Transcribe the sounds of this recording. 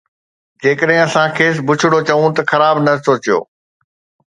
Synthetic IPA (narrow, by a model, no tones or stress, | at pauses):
d͡ʑeːkəɗɦɪ̃ɐsãkʰeːsbʊt͡ɕʰɪɽot͡ɕɐʋũt̪ɐxɐɾaːbnɐsoːt͡ɕjo̰ː